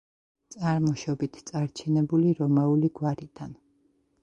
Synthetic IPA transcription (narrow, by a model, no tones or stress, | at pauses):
t̪sʼaɾmɔʃɔbit̪ʰt̪sʼaɾt͡ʃʰɛnɛbuliɾɔmauliɡwaɾid̪̥an